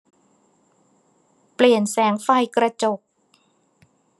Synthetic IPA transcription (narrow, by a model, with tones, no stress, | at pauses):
pli˨˩ənsɛː˩˦ŋfa˨˧˩jkɾa˧t͡ɕo˨˩k̚